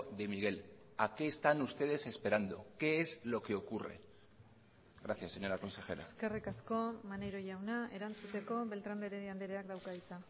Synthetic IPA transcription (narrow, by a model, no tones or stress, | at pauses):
ðe̞miɣ̞e̞l | ake̞ːst̪anust̪e̞ð̞e̞se̞spe̞ɾand̪o̞̰ke̞ezlo̞ke̞o̞kure̞̰ | ɣɾaθjasːeɲo̞ɾako̞nse̞xe̞̰ɾa̰ske̞rikasko̞manejɾo̞ʝawnae̞ɾant͡sut̪e̞ko̞βe̞lt̪ɾand̪eɾeðiand̪eɾeakd̪awkaðit͡sa